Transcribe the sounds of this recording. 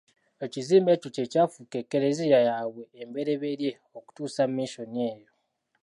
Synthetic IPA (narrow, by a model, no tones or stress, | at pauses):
e̞ciziːmbe̞tucecaːfuke̞kːeɾezijajaːβwe̞ːmbe̞ɾe̞βeɾje̞ | o̞ku̥tuːsamːiʃo̞nie̞ːjo̞